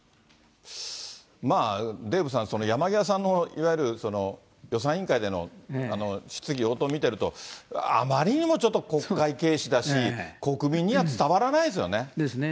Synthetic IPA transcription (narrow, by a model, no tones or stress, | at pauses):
maːd̪e̞ːbɯ̟s̬ãñso̞no̞jamaɡʲias̬ãnːo̞iβajɯ̟ɾɯ̟so̞no̞ | jo̞s̬ãɰ̃ĩŋkaid̪e̞no̞̰ano̞ɕi̥t͡sɨɡʲio̞t̪omʲit̪e̞ɾɯ̟t̪o̞̰a̰maɾʲiɲ̟imo̞t͡ɕo̞t̪ːo̞ko̞kːaike̞ːɕid̪aɕiko̞kɯ̟mʲĩɲ̟ːiβat͡sɨ̥t̪aβaɾanais̬ɨjo̞̰ne̞d̪esn